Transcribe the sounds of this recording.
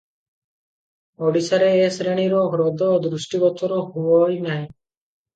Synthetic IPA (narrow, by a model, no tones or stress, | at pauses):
ɔɖisaɾeːsɾeɽ̃iɾɔɡɾɔd̪ʱɔoːd̪ɾusʈibɔt̪ɔɾɔɦuɔjnaɦĩ